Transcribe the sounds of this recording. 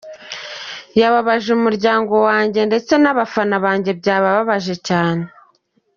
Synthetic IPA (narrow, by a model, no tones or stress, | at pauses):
jaβaβaʒeumuɾɟaːŋɡo̞waːɲɟe̞nde̞t͡se̞naβafanaβaːɲɟe̞bɟaːβaβaβaʒe̞caːne